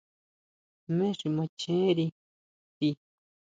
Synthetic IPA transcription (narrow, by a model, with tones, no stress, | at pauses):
mẽ˦ʂi˧˨mã˧t͡ʃẽ˦ɾi˧ | t̪i˧